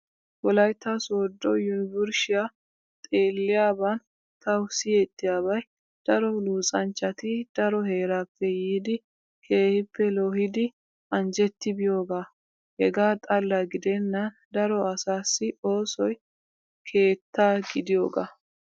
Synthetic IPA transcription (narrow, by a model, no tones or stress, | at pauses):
wɔlɐjt̪ːɐsɔːd̪ːɔjʊnbʊɾʃɪja | t̪ʼe̞ːlːɪjaːbɐn | t̪ɐwsɪjɛt̪ːɪjaːβɐj | d̪̥ɐɾɔluːt͡sʼɐnt͡ʃːɐt̪ɪd̪̥ɐɾɔhe̞ːɾaːpːɛjiːd̪ɪ | kʰe̞ːhɪpːɛloːhɪd̪ɪ | ɐnd͡ʒɛt̪ːɪbɪjo̞ːɡaː | hɛɡaːt̪ʼɐlːɐɡɪd̪ɛnːɐ | d̪ɐɾɔɐsaːsːɪo̞ːsɔj | kʰe̞ːt̪ːaːɡɪd̪ɪjo̞̰ːɡaː